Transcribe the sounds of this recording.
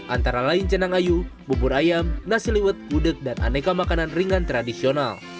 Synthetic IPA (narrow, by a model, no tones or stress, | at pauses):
ʔant̪aɾalaint͡ʃənaŋajububuɾajamnasiliwət̪̚budɨk̚dana̰nekamakananriŋant̪ɾadisional